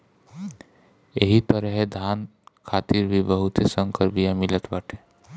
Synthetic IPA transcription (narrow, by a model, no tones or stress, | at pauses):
jeɦit̪əɾəɦed̪ʱaːn | kʰaːt̪iɾbʱibəɦʊt̪esə̃ŋkəɾbijãmɪlət̪baʈʰe